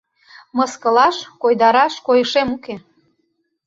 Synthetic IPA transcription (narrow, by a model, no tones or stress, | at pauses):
mɤskə̆lɑʃkojd̪ɑɾɑʃkojəʃemuke